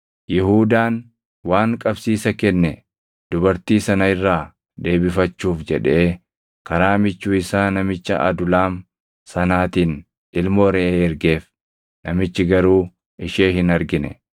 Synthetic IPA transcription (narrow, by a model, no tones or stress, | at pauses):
jɪɦuːd̪aːn | waːŋkʼɐbsiːsɐkɛnːɛ | d̪̥ʊbɐɾt̪iːsɐnɐɪrːaː | d̪e̞ːbɪfɐt͡ʃːuːfd͡ʒɛᶑeː | kɐɾaːmɪt͡ʃːuːɪsaːnɐmɪt͡ʃːɐ̰ʔɐ̰d̪ʊlaːm | sɐnaːt̪iːn | ɪlmoːɾɛʔeːɛɾɡeːf | nɐmɪt͡ʃːɪɡɐɾuː | ɪʃeːɦɪnɐɾɡɪnɛ̰